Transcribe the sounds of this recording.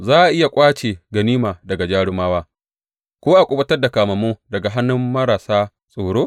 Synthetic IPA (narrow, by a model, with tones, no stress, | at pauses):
zaː˦ʔa˨ʔɪ˦ja˨kʷʼaː˦t͡ʃeː˨ɡɐ˨niː˦maː˨dɐ˨ɡa˨d͡ʒaː˦ɽɪ˦maː˦waː˦ | kʷoː˦ʔa˨kʷʼʊ˦bɐ˦tɐ˦rda˨kaː˨mɐ˨moː˦dɐ˨ɡa˨ɦa˦nːʊ˦mːɐ˦ɾaː˨saː˦ | sʼoː˨ɽoː˦